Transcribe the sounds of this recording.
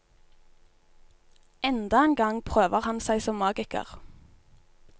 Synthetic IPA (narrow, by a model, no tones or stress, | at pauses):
ɛnd̪ɑeːnɡɑŋpʰʁøːʋəʁhɑnsæɪsɔmːɑːɡɪkə̰ʁ